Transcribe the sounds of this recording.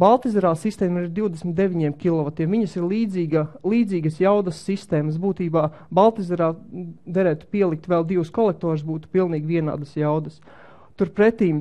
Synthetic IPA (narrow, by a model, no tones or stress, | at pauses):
balˠt̪izɛɾaːsist̪ɛːmaiɾd̪iwd̪esmit̪̚d̪eʋʲiɲiɛmkʲilˠɔʋɐt̪iɛmviɲɐsiɾliːd̪ziːɡalˠiːd̪ziːɡəsjawd̪ɐsːist̪eːmɐsbuːt̪iːbaː | balˠt̪izɛɾaːd̪ɛɾɛːt̪u̥piɛlˠik̚t̪ʋɛlˠd̪iwskɔlˠɛk̚t̪ɔːɾs̬buːt̪u̥pilˠniːɡʲʋiɛna̰ːd̪əsjawd̪əs | t̪uɾpɾɛt̪iːm